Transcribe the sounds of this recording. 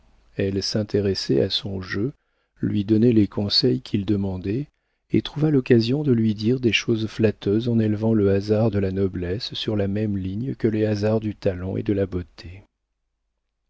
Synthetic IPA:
ɛlsɛ̃t̪eʁɛsɛ̰a̰sɔ̃ʒø | lɥid̪ɔnɛlekʰɔ̃sɛjkʲʰild̪əmɑ̃d̪ɛ | ḛt̪χuvalɔkazjɔ̃d̪əlɥid̪iʁd̪eʃozflat̪ʰøzɑ̃nelvɑ̃ləazaʁd̪əlanɔblɛsːyʁlamɛmliɲkəleazaʁd̪yt̪alɑ̃ḛd̪əlabot̪ʰe

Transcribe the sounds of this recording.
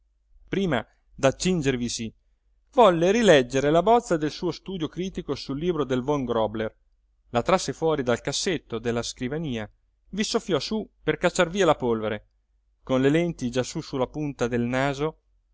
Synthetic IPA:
pɾiːma̰ | d̪at͡ʃːind͡ʒervisi | vɔlːeɾilɛd͡ʒːeɾelabɔt̪sːad̪elsuːost̪uːd̪jokɾiːt̪ikosulːiːbɾod̪elvɔŋɡɾɔbler | lat̪ɾasːefwɔːɾid̪alkasːet̪ːod̪elːaskɾivaniːa | visofːjɔsuperkat͡ʃːarviːalapolveɾe | konlelɛnt̪id͡ʒasusulːapunt̪ad̪elnaːzo

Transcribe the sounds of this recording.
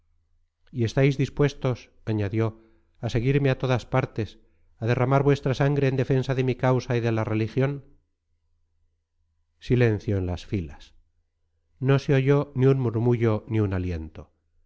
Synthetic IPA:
ie̞st̪ajzðispwe̞st̪o̞s | aɲaðjo̞ | ase̞ɣ̞iɾmeat̪o̞ðaspaɾt̪e̞s | aðe̞ramaɾβwe̞st̪ɾasaŋɡɾeːnd̪e̞fe̞nsaðe̞mikawsaiðe̞lare̞lixjo̞n | sile̞n̟θjo̞enlasfilas | no̞seoʝo̞niunmuɾmuʝo̞niunalje̞nt̪o̞

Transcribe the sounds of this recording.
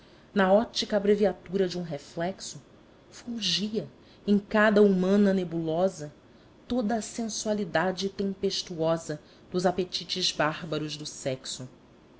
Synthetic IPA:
nɐɔt͡ʃikɐbɾeviat̪uɾɐd͡ʒũɦeflɛksʊ | fuʒiɐ | ẽj̃kad̪ɐumɐ̃nɐnebulɔzɐ | t̪od̪ɐːsẽsualid̪ad͡ʒɪt̪ẽmpeʃt̪uɔzɐ | d̪̥ʊzapet͡ʃit͡ʃɪzbaɾbɐɾʊzd̪ʊsɛksʊ

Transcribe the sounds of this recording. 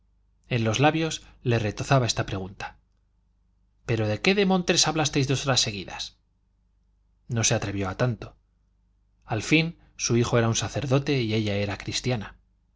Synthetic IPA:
e̞nlo̞zlaβjo̞sle̞re̞t̪oθaβae̞st̪apɾe̞ɣ̞unt̪ḁ | pe̞ɾo̞ðe̞ke̞ðe̞mõ̞nt̪ɾesaβlast̪e̞jzðo̞so̞ɾasːe̞ɣ̞iða̰s | no̞se̞at̪ɾe̞βjo̞at̪ant̪o̞ | alfin | suixo̞e̞ɾaunsaθe̞ɾðo̞t̪e̞ie̞ʎae̞ɾakɾist̪jana

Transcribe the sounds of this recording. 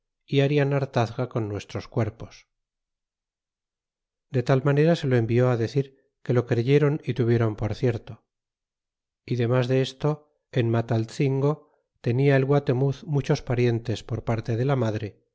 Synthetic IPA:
iaɾianaɾt̪aθɣako̞nːwe̞st̪ɾo̞skwe̞ɾpo̞̥s | d̪e̞t̪almane̞ɾase̞lo̞e̞mbio̞aðe̞θiɾ | ke̞lo̞kɾe̞ʝe̞ɾonit̪uβje̞ɾo̞mpo̞ɾθje̞ɾt̪o̞ | iðe̞mazðe̞est̪o̞ | enmat̪alθiŋɡo̞ | t̪e̞niae̞lɣwat̪e̞muθmut͡ʃo̞spaɾje̞nt̪e̞spo̞ɾpaɾt̪e̞ðe̞lamaðɾe̞

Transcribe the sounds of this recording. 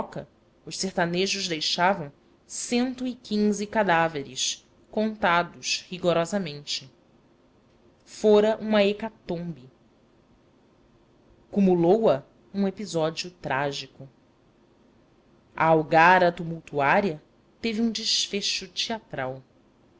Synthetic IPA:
ɔkɐ | ʊʃseɾt̪aneʒʊʒd̪ejʃavɐ̃w̃ | sẽnt̪ʊikĩŋzɪkad̪aveɾɪʃ | kõnt̪ad̪ʊʃhiɡoɾɔzɐmẽnt͡ʃɪ | foɾɐʔũmɐekat̪õbi | kumulowɐ | ũepizɔd͡ʒiʊt̪ɾaʒikʊ | ɐ̰awɡaɾɐt̪umuwt̪uaɾiɐ | t̪eviũd͡ʒɪʃfeʃʊt͡ʃiat̪ɾaw

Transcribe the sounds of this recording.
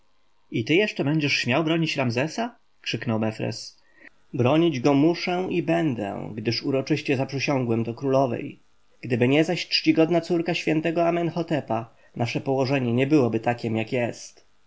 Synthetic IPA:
it̪ɘjɛʂt͡ʂɛbɛɲd͡ʑɛʂɕmʲjawbɾɔɲit͡ɕɾamzɛsa | kʂɘknɔwmɛfɾɛ̰s | bɾɔɲid͡ʑɡɔmuʂɛibɛnd̪ɛ̰ɡd̪ɘʂuɾɔt͡ʂɘɕt͡ɕɛzapʂɘɕɔ̃ŋɡwɛmd̪ɔkɾulɔvɛ̰j | ɡ̥d̪ɘbɘɲɛzaɕtʂt͡ɕiɡɔd̪nat̪suɾkaɕfʲjɛnt̪ɛɡɔamɛnxɔt̪ɛpa | naʂɛpɔwɔʐɛɲɛɲɛbɘwɔbɘt̪akʲɛmjakjɛst̪

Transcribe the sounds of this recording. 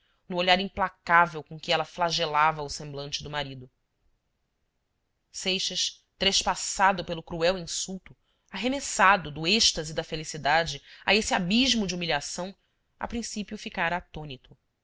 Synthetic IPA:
nʊoʎaɾĩmplakavewkõkɪɛlɐflaʒelavɐʊsẽmblɐ̃nt͡ʃɪd̪ʊmaɾid̪ʊ | sejʃɐʃ | t̪ɾeʃpasad̪ʊpelʊkɾuɛwĩsuwt̪ʊ | aɦemesad̪ʊd̪ʊeʃt̪ɐzɪd̪ɐfelisid̪ad͡ʒɪa̰esɪabiʒmʊd͡ʒiumiʎasɐ̃w̃ | a̰pɾĩsipjʊfikaɾɐat̪õnit̪ʊ

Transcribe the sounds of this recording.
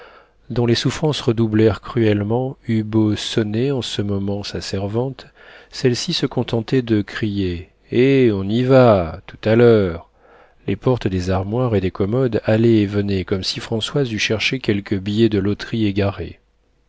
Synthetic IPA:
d̪ɔ̃lesufχɑ̃sʁəd̪ublɛʁkχyɛlmɑ̃ybosɔneɑ̃səmɔmɑ̃sasɛʁvɑ̃t̪ | sɛlsisəkɔ̃t̪ɑ̃t̪ɛd̪əkχije | eɔ̃nivat̪u̥t̪alœʁ | lepɔʁt̪d̪ezaʁmwaʁed̪ekɔmɔd̪alɛːvənɛkɔmsifχɑ̃swazyʃɛʁʃekʲɛlkʰəbijed̪əlot̪χieɡaʁḛ

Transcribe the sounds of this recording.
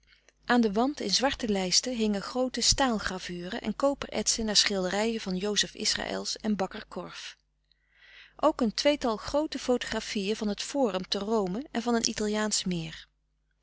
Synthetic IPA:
ʔaːndəʋɑntɪnzʋɑɹtəlɛjstəɦɪŋəχrowtəstaːlˠχravyːrə̰ʔɛ̰nkowpəɹʔɛ̰tsənaːɹsχɪlˠdərɛjəvɑnjowzəfɪ̰sra̰ːʔɛ̰lˠsɛnbɑkəɹkʰɔɹf | ʔowkəntʋejtɑlˠχrowtəfowto̥χrafijəvɑnɦətfʊːrəmtərowməɛnvɑnənḭtɑlˠjaːnsmɪːr

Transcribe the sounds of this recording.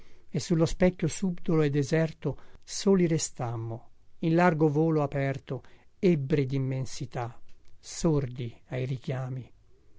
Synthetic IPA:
esːulːospɛkʲːjosubd̪oloed̪ːezɛrt̪osoːliɾest̪amːoinlarɡovoːloapɛrt̪oebːɾid̪imːensit̪asord̪iajrik̟jaːmi

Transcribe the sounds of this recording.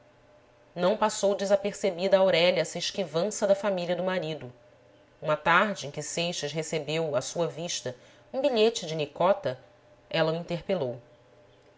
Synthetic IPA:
nɐ̃w̃pasowd͡ʒɪzapeɾsebid̪ɐaːawɾɛʎɐɛsɐeʃkivɐ̃sɐd̪ɐfamiliɐd̪ʊmaɾid̪ʊ | ũmɐt̪aɾd͡ʒɪẽkʲɪsejʃɐʃɦesebewɐsuɐviʃt̪ɐ | ũbiʎet͡ʃɪd͡ʒɪnikɔt̪ɐ | ɛlɐuĩnt̪eɾpelow

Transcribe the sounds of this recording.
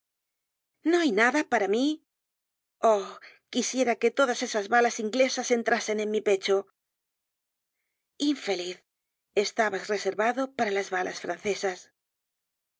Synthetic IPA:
no̞ajnaðapaɾami | o | kisje̞ɾake̞t̪o̞ðase̞sazβalasiŋɡle̞sase̞nt̪ɾase̞ne̞nmipe̞t͡ʃo̞ | iɱfe̞liθ | e̞st̪aβasre̞se̞ɾβaðo̞paɾalazβala̰sfɾanθe̞sas

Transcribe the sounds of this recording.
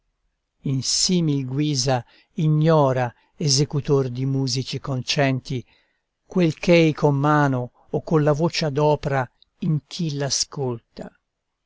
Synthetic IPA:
insiːmilɡwiːza | iɲːɔːɾa | ezekut̪ord̪imuːzit͡ʃikont͡ʃɛnt̪i | kwelkʰejkʰomːaːnoː | kːonlavot͡ʃad̪ɔːpɾa | iŋk̟ʰilaskolt̪a̰

